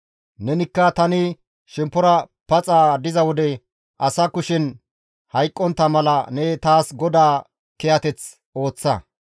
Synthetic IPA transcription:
nɛnɪkːɐt̪ɐnɪ | ʃɛmpːɔɾɐpɐt͡sʼaːd̪ɪzɐwɔd̪ɛ | ʔɐsɐkʊʃɪn | hɐjkʼːɔnt̪ːɐmɐlɐnɛt̪aːsɡɔd̪aː | kɛjɐt̪ɛt͡s | o̞ːt͡sːɐ̰

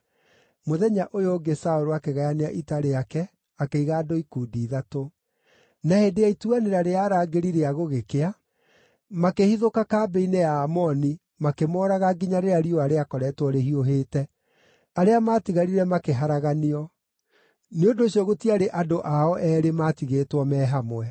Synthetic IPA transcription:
moðɛɲaʔojoɡesaoɾoakeɣajaneaʔitaɾejakɛ | akeiɣaːdoikuːdiːðato | nahendeaituaneɾaɾeaːɾaːɡeɾiɾeaɣoɣekea | makehiðokakaːbeineaːmɔni | makemɔːɾaɣaɡiɲaɾeɾaɾioaɾeakɔɾɛtwɔɾehioɦeːtɛ | aɾeamaːtiɣaɾiɾɛmakeɦaɾaɣaniɔ | neodoːɕɔɣotiaɾeʔadoʔaɔʔɛːɾemaːtiɣeːtwɔmɛːɦamwɛ

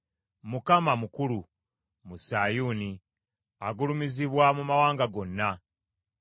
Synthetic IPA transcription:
mukamamukulu | musaːjuːni | aɡulumiziβwamumawaːŋɡaɡo̞nːa

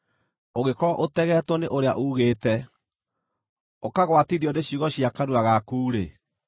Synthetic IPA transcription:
oɣekɔɾɔʔotɛɣɛtwɔneʔoɾea̰ʔuːɣeːtɛ | okaɣwatiɾiɔndeɕiuɣɔɕiakaɾuaɣakuːɾe

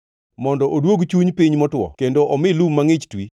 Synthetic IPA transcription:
mɔndɔʔodwoɡt͡ʃuɲpiɲmɔtwɔ̰kendoʔɔmɪlummːaŋɪt͡ʃtwi

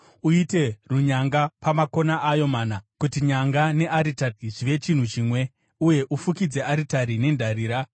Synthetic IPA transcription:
uite̞ruɲaŋɡapamako̞naʔːjo̞maːnakutiɲaŋɡane̞ʔaɾitariʐiʋe̞t͡ʃin̤ut͡ʃiːmwe̞ | uje̞ʔufukid͡ze̞ʔaɾitaɾine̞ndʱaɾiːɾa

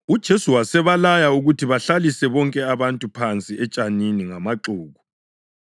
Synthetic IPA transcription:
ud̥ʒ̥ʱesuwasɛβalajauɣutʰiβaɬalisɛβɔŋkʼɛaβantʼupʰant͡sʼiʔɛt͡ʃʼaniniŋamaǁuːɣu

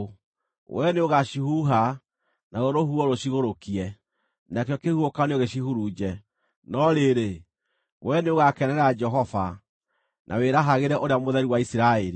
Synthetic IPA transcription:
wɛneoɣaʃihuɦa | naɣoɾohuɔɾoɕiɣoɾokiɛ | nakejɔkehuokaneoɣeɕihuɾuːd͡ʒɛ | nɔɾeɾe | wɛneoɣakɛnɛɾɛad͡ʒɛɦɔfa̰ | nʔa̰weɾaɦaɣeɾɛʔoɾeamoðɛɾiwaisiɾaeɾi

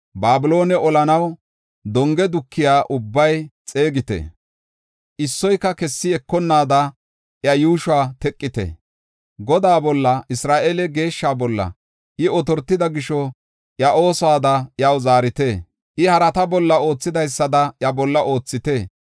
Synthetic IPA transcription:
baːbɪlo̞ːnɛʔɔlɐnɐw | d̪ɔŋɡɛd̪ʊkʰːɪjaːʔʊbːɐjt͡sʼe̞ːɡɪt̪ḛ | ʔɪsːɔjkːɐkɛsːɪɛkːɔnːaːd̪ɐ | ʔjɐjuːʃwaːt̪ɛkʼːɪt̪ḛ | ɡɔd̪aːbɔlːɐʔɪsɾaːʔeːlɛɡe̞ːʃːaːbɔlːɐ̰ | ʔɪɔt̪ɔɾt̪ːɪd̪ɐɡɪʃɔ | ʔjɐʔo̞ːsɔaːd̪ɐjɐwzaːɾɪt̪eː | ʔɪhɐɾɐt̪ɐbɔlːɐo̞ːt͡sːɪd̪ɐjsːɐd̪ɐʔjɐbɔlːɐʔo̞ːt͡sːɪt̪eː

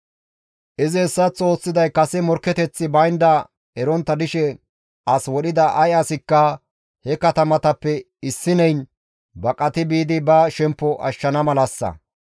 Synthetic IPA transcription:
ʔɪzɪːsːɐt͡so̞ːsːɪd̪ɐjkɐsɛmɔɾkɛt̪ɛt͡sːɪbɐjnd̪ɐ | ɛɾɔnt̪ːɐd̪ɪʃɛ | ʔɐswɔɗɪd̪ɐʔɐjɐsɪkːɐ | hɛkɐt̪ɐmɐt̪ɐpːɛ | ɪsːɪnɛjn | bɐkʼɐt̪ɪbiːd̪ɪbɐʃɛmpːɔʔɐʃːɐnɐmɐlɐsːɐ̰

